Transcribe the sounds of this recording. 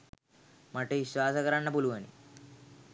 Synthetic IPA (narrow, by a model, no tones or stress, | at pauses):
mɐʈːeiʃʋaːsɐkɐɾɐɳːɐpuluʋɐnḭ